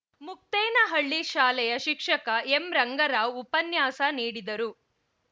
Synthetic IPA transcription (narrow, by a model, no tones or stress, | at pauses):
muk̚t̪ɛːnɐɦɐɭːiʃaːlɛjɐʃikʂɐkɐemɾɐŋɡɐɾaːwupɐnjaːsɐniːɽid̪ɐɾu